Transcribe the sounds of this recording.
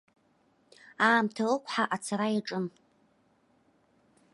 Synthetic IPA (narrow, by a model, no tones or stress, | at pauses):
aːmtʰalɨkʷʰʼħaʔat͡sʰaɾajaʈ͡ʂʼɨm